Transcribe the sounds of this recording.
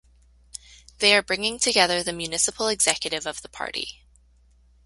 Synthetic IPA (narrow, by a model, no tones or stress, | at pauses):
ðeɪə˞bɹɪ̃ŋɪ̃ŋtʰɨɡɛðə˞ðɨmjʉnɪsəpʰl̩ˠɨɡz̥ɛkjɨɾɨvʌvðəpʰɑ̰ɹɾḭ